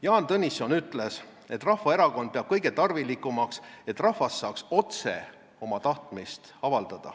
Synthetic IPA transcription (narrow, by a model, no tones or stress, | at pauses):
jɑːnt̪ɤnʲiso̞nyt̪le̞s | e̞t̪ːrɑhvɑeɾɑko̞nd̪̥̚peɑb̥̚kɤ̞jɡe̞t̪ɑrvilikːˑumɑkse̞t̪ːˑrɑhvɑsːɑːkso̞t̪se̞̰ | o̞mɑt̪ɑht̪mist̪ɑvɑld̪̥ɑd̪̥ɑ̰